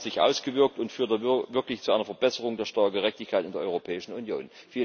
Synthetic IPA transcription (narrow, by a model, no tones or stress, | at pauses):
z̥ɪçʔa̰ʊsɡ̥əvɪɐk̚tʊntfyːɐtəvɪɐklɪçt͡suʔaɪnɐfɛɐbɛsəʁ̞ʊŋdeːɐʃtaɐk̚ɡ̥əʁ̞ɛçtɪçkʰaɪtɪndeɐɔ̰ʏʁopʰɛːɪʃn̩unjo̰ːnfiː